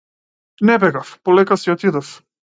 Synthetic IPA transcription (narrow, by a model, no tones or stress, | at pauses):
nɛbɛɡafpɔlɛkasiɔt̪id̪af